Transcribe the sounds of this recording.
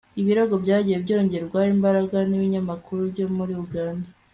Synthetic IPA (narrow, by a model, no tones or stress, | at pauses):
iβiɾoɡo̞bɟaːɟijebɟo̞ːɲɟe̞ɾɡwahiːmbaɾaɡaniβiɲamakʰuɾuβɟo̞muɾiuɡaːnda